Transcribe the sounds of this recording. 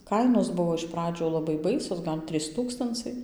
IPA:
ˈkɐɪnoːs ˈbʊʋoː ɪʃ ˈprɑːd͡ʒʲʊ ˌlˠɑːbɐɪ ˈbɐɪsʲoːs ˈɡɐlʲ ˈtʲrʲiːs ˈtuːkstɐnt͡sɐɪ

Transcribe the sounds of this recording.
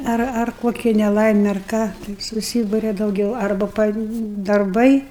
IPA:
ˈɐr ɐr ˈkoːkʲɛ nʲɛˈlˠɐɪmʲɛ ɐr ˈkɑː tɐɪ sʊˈsʲiːbʊrʲɛ dɐʊˈɡʲɛʊ ˈɐrbɐ pɐ dɐrˈbɐɪ

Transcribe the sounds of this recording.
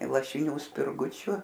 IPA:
lˠɐʃʲɪˈnʲuː sʲpʲɪrˈɡʊt͡ʃʲʊ

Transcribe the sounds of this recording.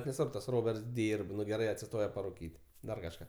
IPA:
nʲɛˈsʋɐrp tɐs ˈroːbʲɛrts ˈdʲiːrp ˈnʊ ɡʲɛˈrɐɪ ɐtʲsʲɪˈstoːjɛ pɐrʊˈkʲiːtʲ ˈdɐr kɐʃˈkɑː

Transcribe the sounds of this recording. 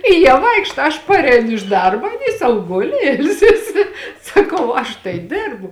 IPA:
ɪ ˈjiɛ ˈʋɐɪkʃtɐ ɐʃ ˈpɑːrʲɛɪnʊ ɪʃ ˈdɐrbɐ ɐˈnʲiː sɐʊ ˈɡʊlʲɪ ˈɪlʲsʲɪsʲɪ sɐˈkɐʊ ˈɐʃ tɐɪ ˈdʲɪrbʊ

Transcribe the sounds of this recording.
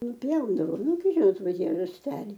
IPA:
nʊˈpʲjɛʊdɐʋoːm nʊˈɡʲɪ ˈʒʲɪnoːt ˈʋɐ ˈtʲiɛ rɐsʲˈtʲæːlʲɛɪ

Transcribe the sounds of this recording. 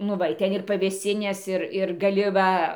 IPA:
ˈnʊ ˈʋɐ ɪ ˈtʲɛn ɪr pɐʋʲeːsʲˈɪnʲeːs ˈɪr ɪr ɡɐˈlʲɪ ˈʋɐ

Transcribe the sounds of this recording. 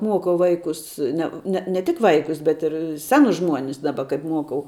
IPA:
ˈmuɔkɐʊ ˈʋɐɪkʊs ˈnʲɛ nʲɛ nʲɛ tʲɪk ˈʋɐɪkʊs bʲɛt ɪr ˈsʲæːnʊs ˈʒmuɔnʲɪs ˈdɑːbɐ kɐɪp ˈmuɔkɐʊ

